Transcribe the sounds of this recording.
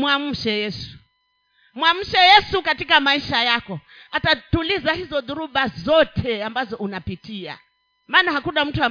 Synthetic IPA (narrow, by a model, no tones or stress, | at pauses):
mwam̩ʃɛjɛsu̥ | mwam̩ʃɛjɛsukatikamaiʃajakɔ | atatulizahizɔðuɾuɓazɔtʰɛambazɔunapitia̰ | maːnahakunam̩tua